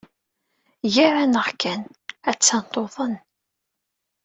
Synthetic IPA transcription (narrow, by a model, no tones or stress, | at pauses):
jaɾanəʁkːænæt͡sːɑnt̪ˤoðˤən